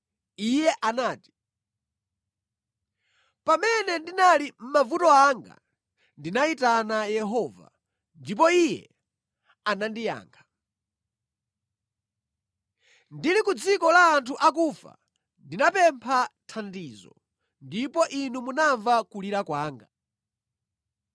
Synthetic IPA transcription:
ijɛʔanaːti̥ | pamɛnɛndinalim̩mavutɔaŋɡa̰ | ndinaitanajɛɦɔːva̰ | ndip̬ɔijɛ̰ | anandija̰ːŋɡʰa | ndilikud͡zikɔlaːntʰuʔak̬ufa̰ | ndinapɛmpʰatʰandizɔ̰ | ndipɔʔinumunaɱvakuliɾakwaːŋɡa

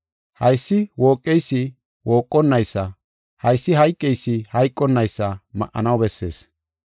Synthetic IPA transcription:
hɐjsːɪwoːkʼːɛjsːɪ | woːkʼːɔnːɐjsːɐ | hɐjsːɪhɐjkʼːɛjsːɪhɐjkʼːɔnːɐjsːɐmɐ̰ʔɐ̰nɐwbɛsːe̞̰ːs

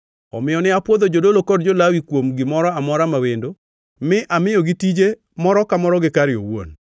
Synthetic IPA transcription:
ɔ̰mɪjɔnɪapwod̪od͡ʒodolokɔd̚d͡ʒolawikwomɡɪmɔɾɔamɔɾamawendo | mɪʔamɪjɔɡitid͡ʒe | mɔɾɔkamɔɾɔɡɪkaɾɪo̰wo̰n

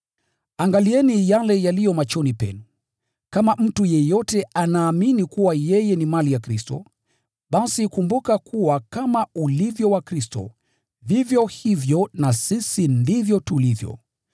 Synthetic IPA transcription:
aŋɡaliɛnijalɛjalijɔmat͡ʃɔnipɛ̰nu | kamam̩tujɛjɔtɛanaːminikuwajɛjɛnimalijakɾistɔ̰ | ɓasikumbukakʰuwakamaulivjɔwakɾistɔ̰ | vivjɔhivjɔnasisindivjɔtulivjɔ̰

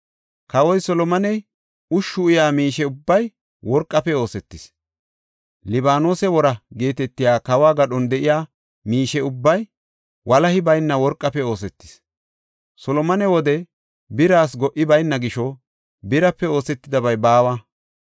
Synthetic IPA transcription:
kɐwɔjsɔlɔmɐnɛj | ʊʃːʊɪjaːmiːʃɛʊbːɐj | wɔɾkʼːɐpɛo̞ːsɛt̪ːɪs | lɪbaːnoːsɛwɔɾɐɡe̞ːt̪ɛt̪ːɪjaːkɐwaːɡɐɗɔnd̪ɛʔɪjaː | miːʃɛʊbːɐj | wʔɐlɐhɪbɐjnːɐwɔɾkʼːɐpɛo̞ːs̬ɛt̪ːɪ̥s | sɔlɔmɐnɛwɔd̪ɛ | bɪɾaːsɡɔʔɪbɐjnːɐɡɪʃɔ | bɪɾɐpːɛo̞ːsɛt̪ːɪd̪ɐbɐjbaːwɐ

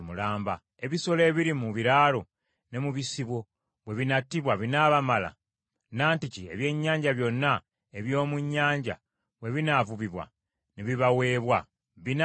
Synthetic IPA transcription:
mulaːmba | e̞βiso̞le̞ːβiɾimuβiɾaːlo | ne̞muβisiβwo̞ | βwe̞βinatːiβwaβinaβamala̰ | naːnticie̞̰βje̞ːɲːaːɲɟaβjo̞nːa | eβjo̞ːmuɲːaːɲɟa̰ | βwe̞βinavuβiβwa̰ | neβiβawe̞ːβwa | βin

